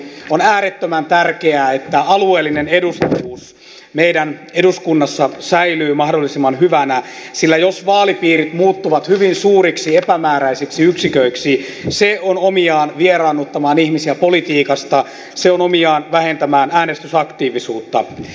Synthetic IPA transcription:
onæːɾet̪ːømænt̪ærkeæːet̪ːæɑlueːlːinenedust̪uːs | meidæneduskunːɑsːɑsæilyːmɑhdolːisimːɑnhyʋænæsilːæjosʋɑːlipiːrit̪muːt̪ːuʋɑt̪hyʋinsuːɾiksiepæmæːɾæisiksiyksikøiksiseonomiɑːnʋierɑːnːut̪ːɑmɑːnihmisiæpolit̪iːkɑst̪ɑ | seonomiɑːnʋæhent̪æmæːnæːnest̪ysɑkt̪iːʋisuːt̪ːɑ

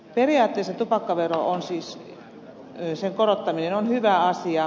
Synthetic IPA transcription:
periɑːt̪ːeːˑsːɑt̪upɑkːɑʋeroʔonsiːs | seŋkoɾot̪ːɑminenonhyʋæɑsiɑ

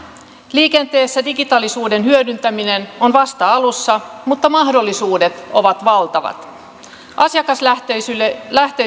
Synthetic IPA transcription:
liːkent̪e̞ːsːædiɡit̪ɑlisuːde̞nhyødynt̪æmine̞no̞nʋɑst̪ɑɑlusːɑmut̪ːɑmɑhdo̞lːisuːde̞t̪o̞ʋɑt̪ʋɑlt̪ɑʋɑ̰t̪ | ʔɑsjɑkɑsylæht̪e

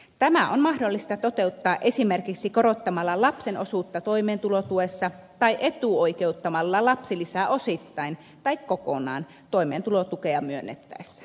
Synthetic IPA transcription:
t̪æmæʔonmɑhdolːist̪ɑt̪ot̪e̞ut̪ːɑːʔe̞simerkiksikoɾot̪ːɑmɑlːɑlɑpsenʔosuːt̪ːɑt̪oimeːnt̪ulot̪uesːɑt̪ɑiʔe̞t̪uoikeut̪ːɑmɑlːɑlɑpsilisæosit̪ːɑin | t̪ɑikkoko̰nɑ̰ːn | t̪oimeːnt̪ulot̪ukeɑmyønːet̪ːæ̰esːæ̥

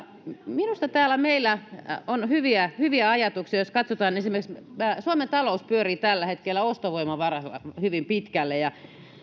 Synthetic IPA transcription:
minust̪ɑt̪æːlːˑæmeilːˑæonhyʋiæhyʋiæɑjɑt̪uksiɑjoskɑt̪sot̪ɑːnensimekssuoment̪ɑlouspyøriːt̪ælːæhet̪kelːæost̪oʋoimɑʋɑrɑlɑ̰hyʋimpit̪kælːejɑ

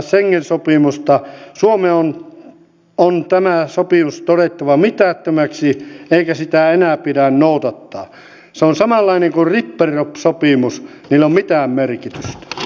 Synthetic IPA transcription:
seŋːensopimust̪ɑsuomeon | ont̪æmæsopimust̪oɾet̪ːɑʋɑmit̪æˑt̪ːømæksieikæsit̪æenæˑpiɾænnoˑut̪ɑt̪ːɑː | seonsɑmɑlːɑineŋkurripːerːopsopimus | niːlːommit̪æːmmerkit̪yst̪æ̥

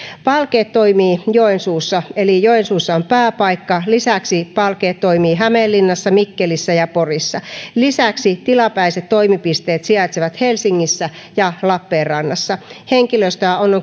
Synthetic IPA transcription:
pɑlkeːt̪t̪oimiːjoensuːsːɑelijoensuːsːɑompæːpɑikːɑlisæksipɑlkeːt̪t̪oimiːɦæmelːinːɑsːɑmikːelisːæjɑporisːɑlisæksit̪ilɑpæiset̪t̪oimipist̪eːt̪siɑt̪seʋæt̪helsiŋːisːæ | jɑlɑpːeːrrɑnːɑsːɑheŋkiløist̪øæonːoŋ

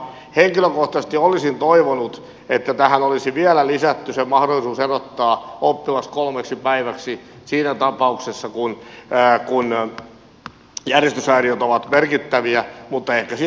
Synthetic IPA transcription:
heŋkiløkoht̪ɑsest̪iolisint̪oiʋonut̪ | et̪ːæt̪æhænolisiʋiælælisæt̪ːysemɑhdolːˑisuːserot̪ːɑːopːilɑskolmeksipæiʋæksisiːnæt̪ɑpɑuksesːɑkunːkun | jærjest̪ysæiriot̪oʋɑt̪merkit̪ːæʋiæmut̪ːɑehkæsi

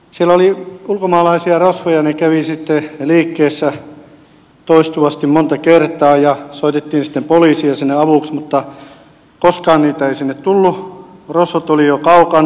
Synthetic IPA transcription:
sielæoliulkomɑːlɑisiɑrosʋojɑnekæʋisit̪ːeliːkːeːsːæ | t̪oist̪uʋɑst̪immont̪ɑkert̪ɑːjɑsoit̪et̪ːiːnsi̥t̪ːempoliːsiɑsinːeɑʋuˑksmut̪ːɑ | koskɑːnniːt̪æeisinːet̪t̪ulːurosʋot̪olijokɑukɑn

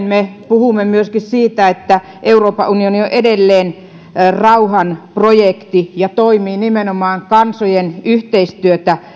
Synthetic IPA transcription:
nmepuhumːemyøskissiːt̪æet̪ːæ | ʔeuroːpɑunionioʔʔedelːeːn | rɑuhɑnprojekt̪ijɑt̪oimiːnimenomɑːŋkɑnsojenyht̪eist̪yøt̪æ

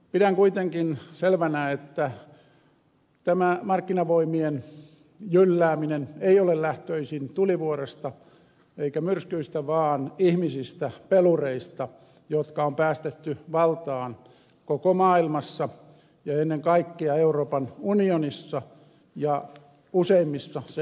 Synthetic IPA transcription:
pidæŋkuit̪eŋkinselʋænæet̪ːæ | t̪æmæmɑrkːinɑʋoimien | jylːæːmineneiolellæht̪øisint̪uliʋuoɾest̪ɑ | eikæmyrskyist̪æʋɑːnihmisist̪æpelureist̪ɑ | jot̪kɑompæːst̪et̪ːyʋɑlt̪ɑːn | kokomɑːilmɑsːɑ | jɑenːeŋkɑikːiɑeuroːpɑnunionisːɑ | jɑ | useimːisːɑse

